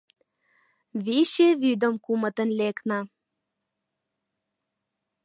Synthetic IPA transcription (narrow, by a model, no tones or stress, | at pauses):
βiʃeβyd̪ə̆mkumə̆t̪ənleknɑ